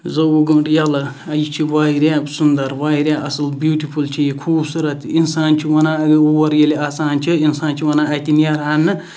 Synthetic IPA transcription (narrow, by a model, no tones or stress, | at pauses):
zɐwuɡɐ̃ɳʈjɐlɐ | ɐjit͡ʃʰiʋaːiɾʲjaːbsund̪ɐɾʋaːiɾʲjaːʔɐsɨlbjuːʈipult͡ʃʰijikʰuːbsuɾɐt̪insaːnt͡ʃʰiwɐnaːɐɡowɐɾjɐliaːsaːnt͡ʃʰiinsaːnt͡ʃʰiwɐnaːɐt̪inijɐɾɦaːnːɨ